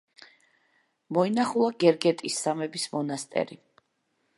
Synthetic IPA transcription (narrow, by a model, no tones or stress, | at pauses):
mɔinaχulˠaɡɛɾɡɛt̪ʼisːamɛbismɔnast̪ʼɛ̰ɾi